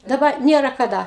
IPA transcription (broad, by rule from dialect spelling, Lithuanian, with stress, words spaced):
dɐˈbɐ ˈnʲiɛrɐ kɐˈdɐ